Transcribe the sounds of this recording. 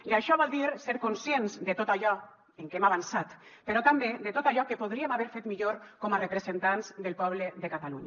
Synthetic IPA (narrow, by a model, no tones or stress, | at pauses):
iaʃɔβ̞ɔlˠd̪iɾseɾkonsjenzd̪et̪ot̪aʎɔ | eŋkemaβansat̪ | peɾɔt̪ambedet̪ot̪aʎɔkepoð̞ɾiemaβɛɾfet̪miʎoɾkɔmarepɾezent̪anzd̪elˠpɔβ̞leðekat̪aluɲa